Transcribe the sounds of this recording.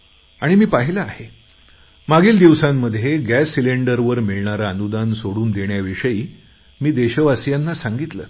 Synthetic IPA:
aɽ̃imiːpaɦilaahe | maɡiːld̪iʋsamːəd̪ʱjeɡæsːileɳɖəɾʋəɾmiɭɳaɾaːnud̪ansoɽuːnd̪eɳjaʋiʂəiː | miːd̪eɕəʋasijanːasaŋɡit̪lə̰ː

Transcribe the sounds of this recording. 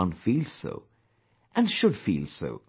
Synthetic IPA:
ə̃nfilˠz̥so̰ʊ | ʔɨ̃nʃɨd̥fḭlˠso̰ʊ

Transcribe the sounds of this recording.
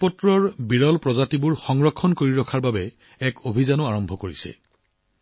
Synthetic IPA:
pɔtɹɔɹbiɹɔlpɹɔzatibuɹxɔŋɹɔkʰːɔnkoɹiɹɔkʰaɹbabɛ | ɛkʰobʱizanʊaɹɔmbʱɔkoɹisɛ̰

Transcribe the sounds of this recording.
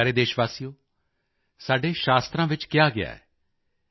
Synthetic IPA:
ɾeːd̪eːʃʋaːsijoː | saːɖeːʃaːst̪ɾãːʋɪt͡ʃkɪjaːɡɪa̰ːɛ̰ː

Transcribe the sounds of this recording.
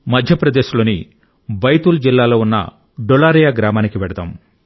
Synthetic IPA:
mɐd̪ʱjɐpɾɐd̪e̞ːʃulo̞ːni | bɐjt̪uld͡ʒilːaːlo̞ːunːɐ̰ | ɖolaːɾijaɡɾaːmaːnikiʋɛɽɐd̪a̰ːm

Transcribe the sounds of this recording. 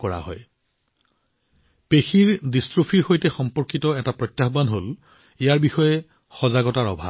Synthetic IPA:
kɔɹa̰ɦɔj | pexiɹdistɹopʰiɹxojtɛxɔmpɔɹkitɔɛtapɹɔtːjaxbanɦol | ijaɹbixɔjɛ | xɔzaɡɔtaɹɔbʱa̰b̚

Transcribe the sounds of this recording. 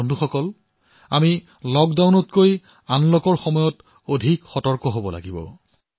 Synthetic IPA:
ndʱuxɔkɔl | a̰mi | lɔɡdawnɔtkoj | anlokɔɹxɔmɔjɔt | odʱikxɔtɔɹkɔɦobɔla̰ɡibɔ̰

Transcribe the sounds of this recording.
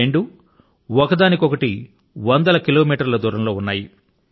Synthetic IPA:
eɳɖu | ɔkɐd̪aːnikɔkɐʈi | ʋɐnd̪ɐlɐkiloːmiːʈɐɾlɐd̪uːɾɐmlo̞ːunːaːji

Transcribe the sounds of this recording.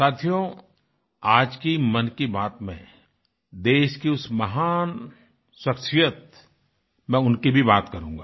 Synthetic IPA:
saːt̪ʰijo | aːd͡ʒkimɐnkibaːt̪mɛ̃ | d̪eːʃkiʊsmɐɦaːn | swɐkʃijət̪̚ | mɛ̃ʊnkibʱibaːt̪kɐɾũːŋɡaː

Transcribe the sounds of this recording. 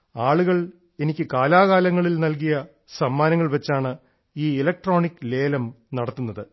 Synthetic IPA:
aːɭuɣɐɭ | e̞nikʲːɨkaːlaːɣaːlɐŋːɐɭilnɐlk̬ijɐ | sɐmːaːnɐŋːɐɭʋet͡ɕːaːɳɨ | iːelɐk̚ʈro̞ːɳikːɨle̞ːlɐm | nɐɽɐt̪ːunːɐðɨ

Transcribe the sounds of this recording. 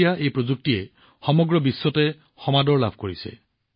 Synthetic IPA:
jaʔejpɹozuk̚tiɛ | xɔmɔɡɹɔbisːɔtɛ | xɔmadɔɹla̰bʱkoɹisɛ̰

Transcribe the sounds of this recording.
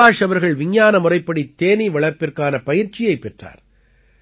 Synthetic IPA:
aːʂɐʋɐɾɣɐɭʋɪɲjaːnɐmʊrɐɪpːɐɽit̪ːeːniʋɐɭɐɾpɪrkaːnɐpɐjɪɾt͡ʃɪjɐɪpːɛʈra̰ːɾ

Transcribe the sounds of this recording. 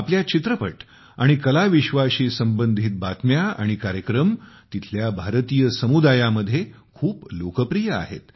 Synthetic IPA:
apljat͡ɕit̪ɾəpəʈ | aɽ̃ikəlaʋiɕʋaɕiːsəmbənd̪ʱiːt̪̚bat̪mjaa̰ɽ̃ikaɾjəkɾəmt̪it̪ʰljabʱaɾt̪ijəsəmud̪ajaməd̪ʱːjekʰuːplokəpɾijəa̰ɦḛt̪

